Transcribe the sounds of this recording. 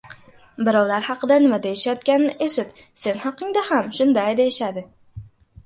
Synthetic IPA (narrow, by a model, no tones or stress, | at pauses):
bɪɾɒwlaɾhɑqɨd̪anɪmad̪aeʃajɒt̪kʲanɪnɪʔeʃɪt̪se̞nhɑqɨŋd̪ahamʃʊnd̪ajd̪eeʃad̪ɪ